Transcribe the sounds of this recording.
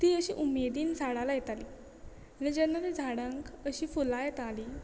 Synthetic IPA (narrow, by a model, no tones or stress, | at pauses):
t̪iːəɕḭːʔumed̪iːnd͡zʱaɽalajet̪aliː | anid͡ʑənːaɾid͡zʱaɽə̃ŋkəɕiːfulajet̪aliː